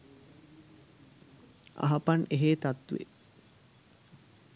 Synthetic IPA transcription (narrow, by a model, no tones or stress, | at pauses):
ɐ̰ɦɐpɐneɦeːt̪at̪ʋḛ